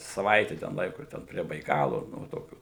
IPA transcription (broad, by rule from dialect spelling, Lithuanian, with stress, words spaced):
sɐˈʋɐɪtʲɛ tʲɛn ˈlˠɐɪkʊ ˈtʲɛn pʲrʲiɛ bɐɪˈkɑːlˠʊ ˈnʊ ʋɐ ˈtoːkʲuː